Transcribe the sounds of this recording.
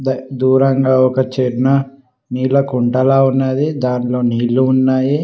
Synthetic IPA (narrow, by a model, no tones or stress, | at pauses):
d̪d̪uːɾɐŋɡaːɔkɐt͡ʃiɾnɐ | niːlɐkuɳʈɐlaːunːaːd̪id̪aːnlo̞ːniːluːnːaːji